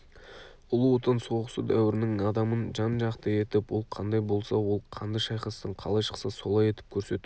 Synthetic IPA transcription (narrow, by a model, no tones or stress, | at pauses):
ʊlˠuot̪ənso̞ʁəsəd̪æwɪɾɪnɪŋɑd̪ɑmənʒɑnʒɑqt̪əe̞t̪ɪpwo̞lˠqʰɑnd̪ɑjbo̞lˠsɑwo̞lˠqʰɑnd̪əʃɑjqɑst̪əɴqʰɑlˠɑjʃə̥qsəso̞lˠɑje̞t̪ɪ̥p̚kʲʰɵɾse̞t̪u